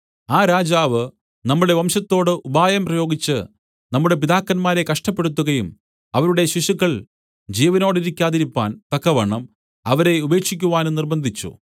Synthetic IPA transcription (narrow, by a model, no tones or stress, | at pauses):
aːɾaːd͡ʑaːʋɨ | nɐmːuɽe̞ʋɐmɕɐt̪ːo̞ːɽɨʔubaːjɐmprɐjo̞ːɡit͡ɕːɨ | nɐmːuɽe̞p̬id̪aːkːɐnmaːɾe̞kɐʂʈɐpːeɽut̪ːuɣɐjum | ɐʋɐɾuɽe̞ɕiɕukːɐɭ | d͡ʑiːʋɐnoːɽiɾikʲːaːðiɾipːa̰ːnt̪ɐkːɐʋɐɳːɐm | ɐʋɐɾe̞ube̞ːkʂikʲːuʋaːnunirbɐnd̪ʱit͡ɕːṵ